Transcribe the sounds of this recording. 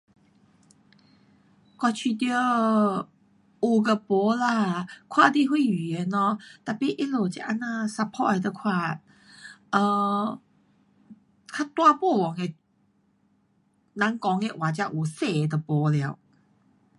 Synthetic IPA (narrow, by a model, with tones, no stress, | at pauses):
kwa˧˩t͡ɕʰi˧˩t̪jə˧ | u˨kə˧pɔ˨˧˦la˧kʰwa˥˧˨t̪i˧˨hwi˥˨y˨˩ɛ˨˧˨nɔ̃˧t̪a˨pi˧ʔi˦lo˨˩t͡ɕa̰˧ʔa˧˥nã˧sa˧pʰɔ̰˧ʔe˧t̪ə˧kʰwa˥˧˨ | ə˧ | kʰa˦˥t̪wa˧pɔ˥˧˨wɔ˨˩ŋe˨ | nã˧˦ŋkɔ˧˦ŋe˧˨ʔwa˨t͡ɕa˧ʔu˨˩se˧˨d̪ə˧˨pɔ˨˦lja˨˧˦